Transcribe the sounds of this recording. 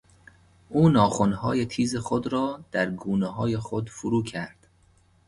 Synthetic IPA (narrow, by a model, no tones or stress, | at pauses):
ʔuːnɒːχonhɒːjet̪ʰiːzexod̪ɾɒːd̪̥æɾɡuːneɦɒːjexod̪fuɾuːcʰæɾd̪̥